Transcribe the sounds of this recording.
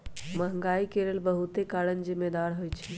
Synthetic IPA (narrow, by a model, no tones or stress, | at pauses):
məɦə̃ŋɡaikelelbəɦut̪ekaɾənzimːed̪aɾɦojt͡ʃʰɛ̥